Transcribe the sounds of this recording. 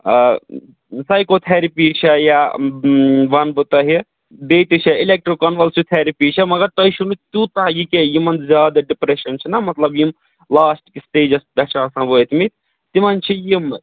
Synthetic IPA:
sɐjkoːt̪ʰeɾipit͡ʃʰɐja | ʋɐnbɨt̪ɐɦi | b̪eːt̪it͡ʃʰɐilek̚ʈɾokɐnʋɐlsut̪ʰeɾipiːt͡ʃʰɐmɐɡɐɾt̪ɐiʃunut̪jut̪ajikejimɐnzʲjaːd̪ɐɖipɾeʃɐnt͡ʃʰinɐmɐt̪lɐbjim | laːsʈkisʈeːd͡ʒɐsbɐt͡ʃaːsãːbot̪ʰimit̪ʰ | t̪imɐnt͡ʃʰijim

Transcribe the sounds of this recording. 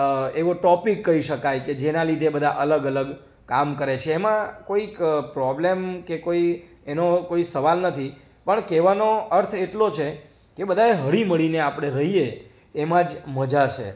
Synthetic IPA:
eʋoʈɔpikːəɦiʃəkajked͡ʒenalid̪ʱebəd̪ʱaʔələɡələɡ | kamkəɾet͡ʃʰeːmãkoikpɾɔblemkekoi | enokoisəʋalnət̪ʰi | pəɳkeʋanoəɾt̪ʰeʈlot͡ʃʰe | kebəd̪ʱaeɦəɭiməɭineapəɽ̃eɾəɦieː | mãd͡ʒməd͡ʒat͡ʃʰḛ

